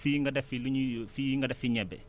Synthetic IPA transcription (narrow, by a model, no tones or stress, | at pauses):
fiŋɡɐdɐfiluɲifijiŋɡɐdɐfiɲɛbɛ̰